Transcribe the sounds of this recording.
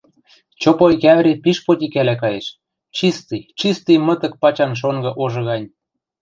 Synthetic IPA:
t͡ɕopokæβɾepiʃpot̪ʲikælækɑjeʃ | t͡ɕist̪ijt͡ɕist̪ɨjmɤ̆t̪ə̆k̚pɑt͡ɕɑnʃ̬oŋɡɤ̆ʔoʒɤ̆ɣɑnʲ

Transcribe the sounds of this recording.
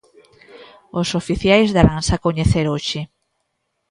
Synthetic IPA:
osofiθjajzðaɾansakoɲeθeɾoʃɪ

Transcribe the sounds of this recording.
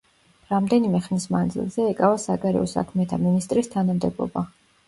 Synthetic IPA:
ɾamd̪ɛnimɛχnismand̪zḭlˠzɛːkʼavasaɡaɾɛ̰ɔsa̰kʰmɛt̪ʰaminist̪ʼɾist̪ʰanamd̪ɛblˠɔ̰ba

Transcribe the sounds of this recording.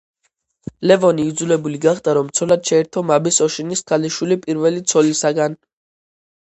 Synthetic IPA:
lɛvɔniːd̪zulɛbuliɡaχd̪aɾɔmt̪sʰɔlad̪ʃɛɛɾt̪ʰɔmabisɔʃiniskʰʼaliʃwilipʼiɾvɛlit̪sʰɔlisaɡan

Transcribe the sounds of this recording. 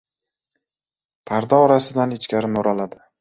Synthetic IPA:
pʰaɾd̪ɒɒɾasɪd̪anɪt͡ʃkʲaɾɪmʊɾalad̪ɪ

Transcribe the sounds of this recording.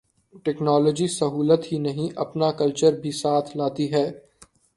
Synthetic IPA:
ʈɛːknɔːlɔːd͡ʒisɐɦuːlət̪ɦinɐɦĩʔɐpnakɐlt͡ʃəɾbʱisaːt̪ʰlaːt̪iɦɛː

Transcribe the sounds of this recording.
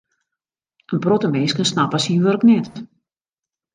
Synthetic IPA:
ənbrotəmɛskənsnapasinʋørknɛt

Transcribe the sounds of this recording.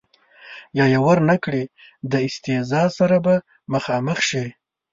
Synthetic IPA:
jɑjawaɾnakɽe | d̪əɪst̪ɪzɑsaɾaba | məxɑməxʃi

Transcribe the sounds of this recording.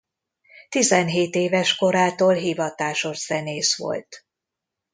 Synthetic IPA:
t̪izɛnɦeːt̪eːvɛʃko̞ɾaːt̪oːlɦivɒt̪aːʃo̞ʃz̥ɛneːsʋo̞̰lt̪

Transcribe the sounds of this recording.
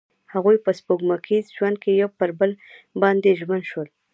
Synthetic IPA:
haɣujpəspoɡmakʰizʒwand̪̚kejawpəɾbəl | bɑnd̪eʒmand̪ʃwəl

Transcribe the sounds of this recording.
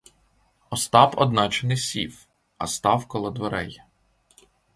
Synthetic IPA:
ɔst̪ɑpɔ̰d̪nɑt͡ʃenɪsʲiw | ɐ̰st̪ɑwkɔlˠɔd̪ʋeɾɛj

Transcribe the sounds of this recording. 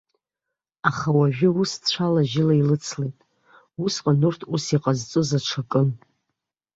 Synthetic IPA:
aχawaʒᶣɪust͡ɕʷʰalaʒɪlailɨt͡sʰlejtʼ | usqʼanurtʰusiqʼazt͡sʼɨzaʈ͡ʂʰakʼɨn

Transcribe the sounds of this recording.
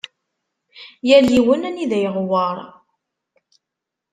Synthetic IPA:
jæljiwənæniðæjəʁwɑɾˤ

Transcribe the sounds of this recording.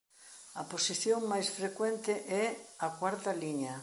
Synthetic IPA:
ɐposiθjoŋmajsfɾekwɛnt̪ɪʔɛɐkwaɾt̪ɐliɲɐ

